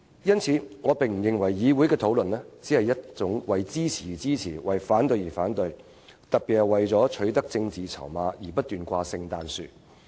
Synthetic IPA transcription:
jɐ˥nt͡sʰiː˨˥ŋɔː˨˧pɪ˨ŋm̩˨˩jɪ˨ŋwɐ˨˩jːiː˨˧wu˨˥jkɛː˧t̪ʰo˨˥wlɵ˨nlɛː˥t͡siː˨˥hɐ˨jːɐ˥t̚t͡sʊ˨˥ŋwɐ˨jt͡siː˥t͡sʰiː˨˩t͡siː˥t͡sʰiː˨˩wɐ˨˩jfaː˨˥nt̪ɵ˧ɥjiː˨˩faː˨˥nt̪ɵ˧ɥ | t̪ɐ˨k̚piː˨t̚hɐ˨˩wɐ˨jt͡sɔː˨˥t͡ʃʰɵ˨˥ɥt̪ɐ˥k̚t͡sɪ˧ŋt͡siː˨t͡sʰɐ̰˨˩wmaː˨˧jiː˨˩pɐ˥t̚t̪yː˨nkʷaː˧sɪ˧ŋt̪aː˨nsy̰ː˨

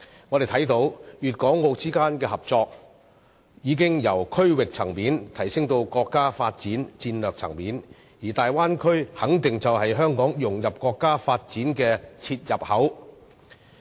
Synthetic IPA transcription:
ŋɔː˨˧de˨jt̪ʰɐ˨˥jt̪o˨˥wjyː˨t̚kɔː˨˥ŋːo˧wt͡siː˥kaː˥nkɛː˧hɐ˨˩p̚t͡sɔː˧k̚ | jiː˨˧k̬ɪ˥ŋjɐ˨˩wkʰɵ˥ɥwɪ˨k̚t͡sʰɐ̰˨˩ŋpiː˨˥nt̪ʰɐ˨˩jsɪ˥ŋt̪o˧wkɔː˧kːaː˥faː˧t̚t͡siː˨˥nt͡siː˧nlœː˨k̚t͡sʰɐ̰˨˩ŋpiː˨˥n | jiː˨˩t̪aː˨jwaː˥nkʰɵ˥ɥhɐ˨˥ŋt̪ɪ˨ŋt͡sɐ˨whɐ˨jɦœː˥ŋkɔː˨˥ŋjʊ˨ŋjɐ˨p̚kɔː˧kːaː˥faː˧t̚t͡siː˨˥nkɛː˧t͡sʰiː˧t̚jɐ˨p̚hɐ˨˥w

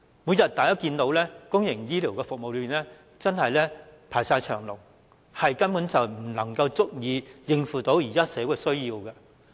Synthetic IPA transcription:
muː˨˧˥jɐ˨˩t̚t̪aː˨˩jɐ˥kiː˧nt̪o˨˥wlɛː˥kʊ˥ŋjɪ˨˩ŋjiː˥liː˨˩wkɛː˧fʊ˨k̚mo˨wly˧i˨˩nɛː˥ | t͡sɐ˥nhɐ˨jlɛ˥pʰaː˨˩jsaː˧jt͡ʃʰœː˨˩ŋlʊ̰˨˩ŋ | hɐ˨jkɐ˥npuː˨˥nt͡sɐ˨wm̩˨˩nɐ˨˩ŋkɐ˧wt͡sʊ˥k̚jiː˨˧jɪ˧ŋfuː˨˩t̪o˨˥wjiː˨˩kaː˥sɛː˨˥wkɛ˧sɵ˥ɥjiː˧wkɐ˧

